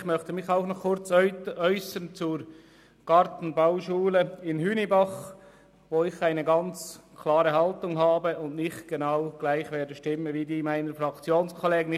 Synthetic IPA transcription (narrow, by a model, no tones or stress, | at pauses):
xmœχtəmɪçaʊxnɔχkʰʊɾt͡sœʏsənt͡suɾ | ɡ̥ɑɾtn̩baʊʃuːləɪnhyːnibɑχ | ʋoːɪçaɪnəɡɑnt͡skʰlɑːɾəɦɑltʊŋɦɑːbəʊndnɪχtɡ̥enaʊɡ̥laɪxveːɾdəʃtɪmənʋiːdiːmaɪnəfɾɑkt͡sjoːnskʰɔleːɡn